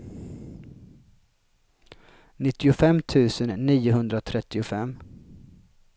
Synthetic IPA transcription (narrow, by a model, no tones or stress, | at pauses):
nɪt̪ːɪʊfɛmːt̪ʰʉ̟ːsənːiːʊɦɵnd̪ɾat̪ʰɾɛt̪ːɪʊfɛmː